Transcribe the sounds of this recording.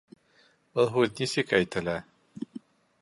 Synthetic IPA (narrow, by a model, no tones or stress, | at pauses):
bɤlˠɦʉðnʲisɘkæjt̪ɘ̆læ